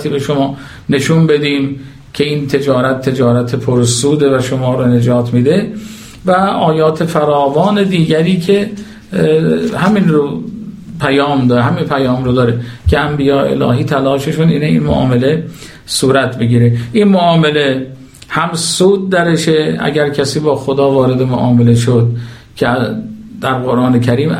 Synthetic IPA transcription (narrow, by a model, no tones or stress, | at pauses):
t̪iːbe̞ʃomɒː | ne̞ʃunbe̞d̪iːm | cʰe̞iːnt̪ʰe̞d͡ʒɒːɾæt̪ʰːe̞d͡ʒɒːɾæt̪ʰepʰoɾsuːd̪evæʃomɒːɾone̞d͡ʒɒːt̪ʰmiːd̪e̞ | væʔɒːjɒːt̪ʰe̞fæɾɒːvɒːne̞d̪iːɟæɾiːkʰe̞ | hæminɾo | pʰæjɒːmd̪ɒeɦæminpʰæjɒːmɾod̪ɒːɾecʰeæmbijɒːḛḛlɒ̰ːɦiːt̪ʰælɒːʃeʃunḭːneḭnmo̰ʔɒ̰ːme̞le̞ | suːɾæt̪beɡiːɾeʔinmoɒːme̞le̞ | hæmsuːd̪̚d̪ːæɾeʃeæ̰ɟæɾkʰæsiːbɒːxod̪ɒːvɒːɾe̞d̪e̞moʔɒːmele̞ʃod̪̚ | cʰed̪̥æɾɡo̞ɾʔɒːnecʰæɾiːm